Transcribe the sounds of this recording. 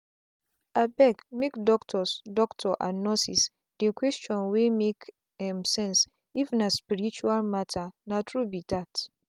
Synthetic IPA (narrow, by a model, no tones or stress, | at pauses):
abɛkmekdɔktʰɔsdɔktʰɔʔa̰nɔ̃sis | d̥ekʰwest͡ʃɔ̃nwemek | hɛ̃msɛ̃ns | iṽnaspiɾit͡ʃualmatʰanãtʰɹubitat